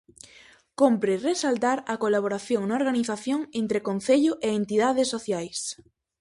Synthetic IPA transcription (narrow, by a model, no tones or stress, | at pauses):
kompɾeresalt̪aɾakolaβ̞oɾaθjoŋnaoɾɣaniθaθjoŋent̪ɾekon̟θeʎʊʔeent̪iðaðesːoθjajs